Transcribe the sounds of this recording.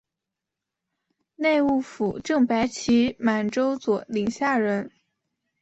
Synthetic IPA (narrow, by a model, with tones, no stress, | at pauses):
ne˥˧ɪu˥˩fu˨˩ʈ͡ʂɤ˥˩ŋpa˧˥ɪt͡ɕʰi˧˥ma˨˩nʈ͡ʂo˥ʊt͡swɔ˨˩˦li˨˩ŋɕja˥˩ɻə˧˥n